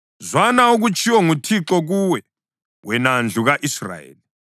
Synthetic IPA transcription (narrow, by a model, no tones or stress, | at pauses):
zwanauɣut͡ʃʰʼiwɔŋutʰiǁɔɣuwɛ | wɛnand͡ɮʱuɣaʔisra̰ḛːli